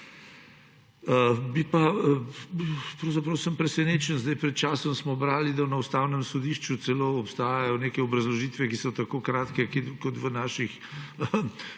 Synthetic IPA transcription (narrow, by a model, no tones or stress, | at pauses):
əbipa | pɾɐwzɐpɾɐwsəmpɾɛsɛneːt͡ʃənzd̪ajpɾɛt̪̚t͡ʃaːsɔmsmɔbɾaːlid̪ɐnɐust̪awnəmsɔd̪iʃt͡ʃut̪sɛloːɔpst̪aːjajɔneːkɛɔbɾɐzlɔʒit̪ʋɛkisɔt̪akoːkɾaːt̪kɛkikɔt̪ʋənaːʃix